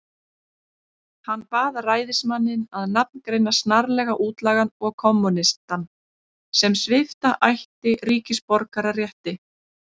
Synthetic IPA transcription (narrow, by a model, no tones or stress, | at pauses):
hanːpaːðaraːjðɪsmanːɪnaðnap̚nkɾejnːḁst̪naɾlɛɣaʔuːt̪laːɣanɔɣkʰɔmːunɪst̪an | sɛmsvɪft̪aʔajht̪ɪriːcɪspɔɾkaɾarjɛht̪ɪ